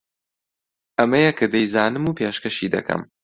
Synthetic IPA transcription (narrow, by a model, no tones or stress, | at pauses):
ʔɐmɐjɛkʰɨd̪ejzaːnɨmuːpʰeːʃkɐʃid̪ɐ̰kʰɐ̰m